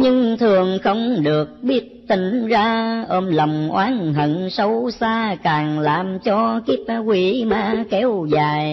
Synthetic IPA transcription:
ɲɨ˧ŋt̪ʰɨ˨˩əŋxə˧wŋ͡mɗɨ˨˩ək̚ɓi˦˥ət̚t̪i˨˦ŋ̟zaː˧ʔəː˧mlə˨˩wŋ͡mʔwaː˨˦nɦə˧˨˦ŋsə˨˦wsaː˧kaː˨˩ŋlaː˨˩mt͡ɕɔ˧ki˦˥p̚kwi˨˦maː˧kɛ˨˦wzaː˨˩j

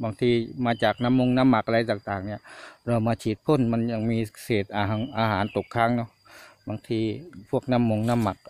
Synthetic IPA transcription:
baː˧˦ŋt̪ʰiː˧maː˧˥t͡ɕaː˨˩k̚na˧˥˨mːo˧ŋna˧˥˨mːa˨˩kʔa˧ɾa˧jt̪aː˨˩ŋt̪aː˨˩ŋni˧˩ɐɾa˧˩wmaː˧t͡ɕʰiː˨˩t̪̚pʰo˧˥˨nma˧˥nɲa˧˩ŋmiː˧seː˨˩t̪̚ʔaː˧ɦʔaː˧ɦaː˨˩˦nt̪o˨˩kʰːaː˧˥˨ŋnɔ˧˥˩ | baː˧ŋt̪ʰiː˧pʰu˥˩ək̚na˧˥˨mːo˧ŋna˧˥˨mːa˨˩k̚

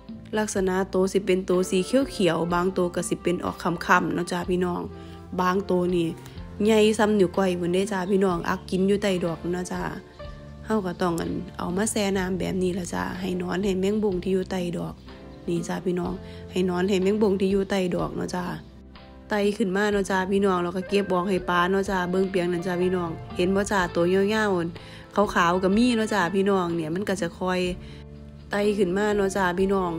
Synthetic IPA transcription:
la˧k̚sa˧na˧ʔt̪oː˨˧˦si˧˦pe˧˨nt̪oː˨˧si˧˦kʰi˧˦˨wkʰi˨˦ə˦wbaː˧˦ŋt̪oː˧˦ka˧˩si˧˦pe˨nʔɔ̰ː˨˩kʰːa˧˨mkʰa˧˨mnɔ˧˨t͡ɕa˧˩pʰiː˧˨nɔː˧˩ŋ | baː˧ŋt̪oː˨˧niː˧˨ | ɲa˧˩jsa˧˨mɲuː˧˩kɔ˧˩jbɯ˧˨˦nda˧˨t͡ɕaː˧˩pʰiː˧˨nɔː˧˩ŋʔa̰˧˩kːi˨˦njuː˧˦t̪a˧˩jdɔː˨˩k̚nɔ˧t͡ɕa˧˩ | ha˧˩wka˧˩t̪ɔ˧˩ŋʔa̰˨nʔa̰˨˩wmaː˧˥˨sɛː˧˩naː˧˥˨mbɛ̰ː˨˩p̚niː˧˩laː˧t͡ɕa̰ː˧˩ɦa˨˩jnɔː˧˥˨nha˨˩jmɛː˧˥˨ŋbo˧˩˨ŋt̪ʰiː˧juː˧˦t̪a˧˩jdɔː˨˩k̚ | niː˧˨t͡ɕa˧˩pʰiː˧˨nɔː˧˩˨ŋha˨˩jnɔː˧˥˨nha˨˩jmɛː˧˥˨ŋbo˧˩˨ŋt̪ʰiː˧˨juː˧˨t̪a˧˩jdɔː˨˩k̚nɔ̰˧˥˨t͡ɕa˧˩ | t̪a˧˩jkʰɯ˧˩˨nmaː˧˥˨nɔː˧˥˨t͡ɕaː˧˩pʰiː˧nɔː˧˩ŋlɛː˧˨ka˧˩ke˧˦p̚ʔɔː˧˦k̚ha˨˩jpaː˧˦nɔ˧˥t͡ɕaː˧˩bɤ˧˥˨ŋpi˨˦əŋna˧˦t͡ɕaː˧˩pʰiː˧nɔː˧˩ŋhe˨˧˦nbɔː˧˦t͡ɕaː˧˩t̪o˨˦ɲɔ˧˨ŋaː˧˥˨wʔn | kʰa˧˦wkʰaː˨˦wka˧˩miː˧˥˨nɔ˧˥˨t͡ɕa˧˩pʰiː˧˨nɔː˧˩ŋni˧˨ma˧˥˨nka˧˩t͡ɕa˧˩˦kʰɔː˧˩j | t̪a˧˩˨jkʰɯ˧˩˨nmaː˧˥˨nɔ˧˨t͡ɕaː˧˩pʰiː˧˨nɔː˧˩ŋ

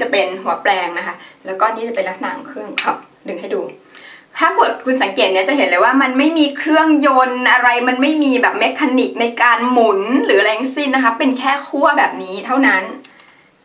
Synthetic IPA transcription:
t͡ɕa˨˩pe˧nɦu˨˩˦ɐplɛː˧ŋna˦˥kʰa˦˥lɛː˦˥wkɔː˥˩niː˥˩t͡ɕa˨˩pe˧nla˦˥k̚sa˨˩na̰ː˨˩˦ŋkʰɾɯ˥˩əŋkʰɔː˨˩p̚ | dɯ˨˩ŋɦa˥˩jduː˧ | t̪ʰaː˥˩pu˨˩ət̪̚kʰu˧nsa˩˦ŋkeː˨˩t̪̚ni˥˩ɐ˩t͡ɕa˨˩ɦe˩˦nlɤː˧jwaː˥˩ma˧nma˥˩jmiː˧kʰɾɯ˥˩əŋjo˧nʔa˧ɾa˧jma˧nma˥˩jmiː˧bɛː˨˩p̚me˦˥kʰːaː˧ni˨˩k̚na˧jkaː˧nmu˨˩˦nɾɯː˩˦˧ɾa˧ja˥ŋsi˥˩nːa˦˥kʰa˦˥pe˧nkʰɛː˥˩kʰu˥˩ɐbɛː˨˩p̚niː˦˥t̪ʰa˥˩wna˦˥n

